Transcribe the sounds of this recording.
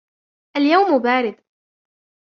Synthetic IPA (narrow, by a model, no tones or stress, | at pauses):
ʔaljawmbaːɾɪd̪